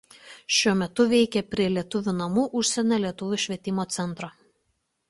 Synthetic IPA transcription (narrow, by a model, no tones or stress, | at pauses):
ʃʲuɔmʲɛt̪ʊʋʲɛɪkʲɛpʲɾʲiɛlʲiɛt̪ʊʋʲunɐmuːʔʊʃʲsʲɛnʲoːlʲiɛt̪ʊʋʲʊʃʲʋʲiɛt̪ʲɪmoːt̪sʲɛnˑt̪ɾoː